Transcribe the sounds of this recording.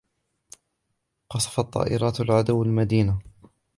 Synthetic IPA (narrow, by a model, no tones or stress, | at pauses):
qɑsˤɑ̥fɑt̪ˤːɑ̰ːʔɪɾˤɑːt̪alʕad̪uwːalmad̪iːna